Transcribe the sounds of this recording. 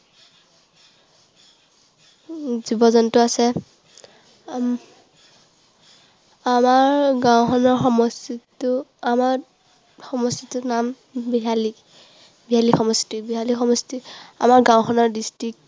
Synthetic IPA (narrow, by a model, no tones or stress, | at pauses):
zibɔzɔntʊasɛ | amaɹɡãwxɔnɔɹxɔmɔstitʊamaɹ | xɔmɔstitunam | biɦali | biɦalixɔmɔstibiɦalixɔmɔstia̰maɹɡãw̃xʰɔnɔɹdistɹik̚t